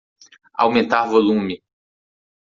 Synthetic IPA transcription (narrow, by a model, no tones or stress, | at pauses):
a̰wmẽnt̪aɾvolũmɪ